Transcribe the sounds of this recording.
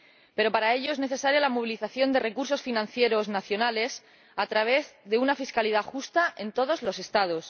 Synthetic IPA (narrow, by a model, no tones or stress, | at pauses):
pe̞ɾo̞paɾae̞ʎo̞e̞zne̞θe̞saɾjalamoβ̞iliθaθjo̞nd̪e̞re̞kuɾs̬o̞sfinãn̟θje̞ɾo̞znaθjo̞nale̞s | at̪ɾaβ̞e̞zðe̞unafiskaliðaxust̪aʔe̞nt̪o̞ð̞o̞zlo̞se̞st̪að̞o̞s